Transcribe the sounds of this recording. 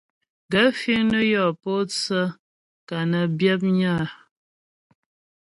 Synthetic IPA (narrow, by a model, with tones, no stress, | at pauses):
ɡə˦fi˦ŋnə˦jɔ˦˨po˦t͡sə˦ | ka˨nə˨bjɛ˦p̬̚ɲa˦˨